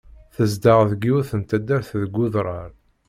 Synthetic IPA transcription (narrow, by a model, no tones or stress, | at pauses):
θəzd̪əʁðɡiuθənt̪æd̪ːæɾθðɡːʊðɾˤɑɾ